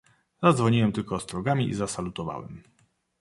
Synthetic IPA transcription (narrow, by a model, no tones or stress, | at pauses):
z̥ad̪zvɔɲiwɛmt̪ɘlkɔːst̪ɾɔɡamʲiʔḭzasalut̪ɔva̰wɛ̰m